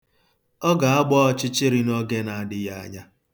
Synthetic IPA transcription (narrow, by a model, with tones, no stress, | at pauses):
ɔ˦ɡa˨a˦ɡ͡bɔ˦ɔ˦t͡ʃɪ˦t͡ʃɪ˦ɾi˨nɔ˦ɡe˦na˨a˨dɪ˦ja˦a̰˦ɲa˦